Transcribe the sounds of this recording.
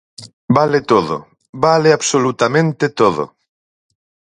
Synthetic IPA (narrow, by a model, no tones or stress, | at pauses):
balet̪oðo̰ | baleaβsolut̪amẽnt̪et̪oðo̰